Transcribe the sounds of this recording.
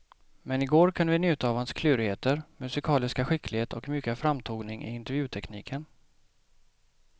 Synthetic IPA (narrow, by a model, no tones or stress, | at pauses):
mɛnɪɡoːɾkʰanvɪnjʉ̟ːt̪aːvhanskʰlʉ̟ːɾheːt̪əɾmɵsɪkʰɑːlɪskaɧɪkʰlɪɡheːt̪ʰɔkmʏkːəfɾamt̪ʰuːɡnɪŋʔɪ̰ɪnt̪ɛɾjʉ̟ːt̪ʰɛkniːkʰən